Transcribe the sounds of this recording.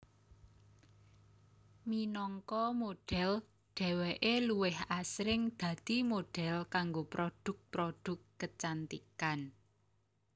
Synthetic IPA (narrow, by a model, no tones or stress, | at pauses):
minɔŋkɔmoɖ̥ɛ̤l | ɖ̪̥ɛ̤weʔeluwɪhasɾɪŋd̪̥ä̤d̪̥imoɖ̥ɛ̤lkaŋɡopɾʔoɖ̪̥ʊ̤k̚pɾod̥ʊ̤kːət͡ʃant̪ḭkan